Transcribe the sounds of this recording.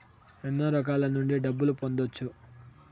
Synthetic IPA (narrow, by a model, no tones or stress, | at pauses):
ɛnːoːɾɔk̬aːlɐnuɳɖiɖɐbːulupo̞nd̪ot͡ʃːu